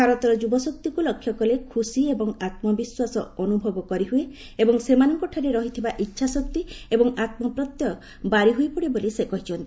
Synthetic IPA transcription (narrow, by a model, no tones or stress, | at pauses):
aɾɔt̪ɔɾɔd͡ʒubɔsɔk̚t̪ikulɔkʰːjɔkɔlekʰusiebɔŋat̪mɔbiswasɔɔnubʱɔbɔkɔɾiɦue | ebɔŋsemanɔŋkɔʈʰaɾeɾɔɦit̪ʰibaʔitːʃʰasɔk̚t̪iebɔŋat̪mɔpɾɔt̪jɔ | baɾiɦujpɔɽibolisekɔɦit͡ʃʰɔnt̪